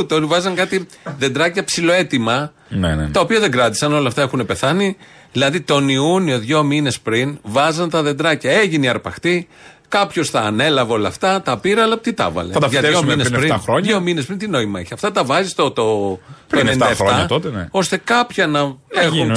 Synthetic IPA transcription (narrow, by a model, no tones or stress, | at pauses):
t̪eot̪ivɐzɐŋkɐt̪iðe̞nd̪ɾɐcɐpsilo̞e̞t̪imɐ | net̪ɐopiɐðe̞ŋɡɾɐt̪i̥sɐno̞lɐft̪ɐe̞xune̞pe̞θɐni | ðilɐðit̪o̞niunio̞ðʝo̞mine̞spɾinvɐzɐnt̪ɐðe̞nd̪ɾɐcɐe̞ʝiniɐɾpɐxt̪i | kɐpço̞sθɐːne̞lɐveo̞lɐft̪ɐt̪ɐpiɾɐːlɐpo̥t̪it̪ɐ̰vɐ̰leɐɐʝɐðominesɾinɾoɲomines̬pɾint̪ino̞imɐiçiɐft̪ɐt̪ɐvɐzist̪ot̪otoeneninɐefɾɐɐt̪ot̪eno̞st̪e̞kɐpçɐnɐexun